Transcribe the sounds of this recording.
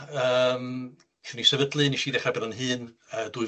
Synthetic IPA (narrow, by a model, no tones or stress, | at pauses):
əːm | kʰinisɛvədlˠɨniʃiːdɛχrɛbɛðanɦɨːnəːd̥uɨ